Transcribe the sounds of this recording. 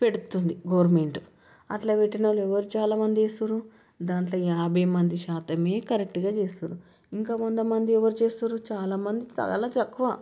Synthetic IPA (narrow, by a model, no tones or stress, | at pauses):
pe̞ɽut̪und̪iɡɐʋɾme̞ɳʈu | ɐ̰ʈlaːʋe̞ʈːinɐluɛʋːɐɾut͡ʃaːlaːmɐnd̪ieːsuɾu | d̪aːɳʈ̬loːjaːbʱɐjmɐnd̪iʃaːt̪ɐmeːkɐɾek̚ʈɡaːt͡ʃe̞ːsuːɾu | iŋkaːkond̪ɐmɐnd̪iɛʋɐɾut͡ʃeːst̪uɾut͡ʃaːlaːmɐnd̪it͡ʃɐ̰ːlaːt̪ɐkːuʋaː